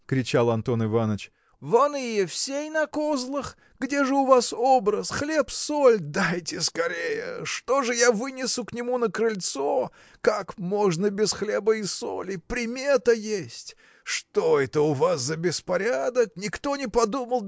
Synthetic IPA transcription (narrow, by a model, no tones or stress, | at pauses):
kɾʲɪt͡ɕalˠɐnt̪o̞nɨvanət͡ɕ | vɐnɨjəfsʲejnɐkozlˠəx | ɡdʲe̞ʐɨʊvasobɾəsxlʲe̞psolʲd̪ajtʲɪskɐɾʲejə̰ʂt̪o̞ʐɨjavɨnʲɪsʊknʲɪmunəkɾɨlʲt̪so | kakmo̞ʐnəbʲɪsxlʲebəɪso̰lʲɪpɾʲɪmʲet̪əjesʲtʲ | ʂt̪oɛt̪əʊvaszəbʲɪspɐɾʲad̪əknʲɪkt̪o̞nʲɪpɐd̪uməlˠ